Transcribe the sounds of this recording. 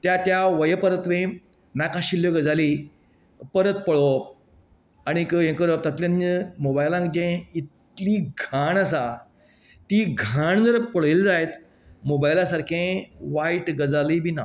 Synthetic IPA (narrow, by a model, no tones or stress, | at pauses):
t̪jat̪jaʋəjəpəɾət̪ʋẽ | nakãɕiljoɡəd͡zali | pəɾət̪̚pəɭo | aɽ̃ikəjẽkəɾot̪ət̪ljãnəmobajlãŋkd͡ʑẽit̪ | liːɡʱaɳas̬a | t̪iɡʱaɳd͡zəɾpəɭəld͡zajt̪ | mobajlasaɾkʰẽʋaiʈɡəd͡zalibʱiːna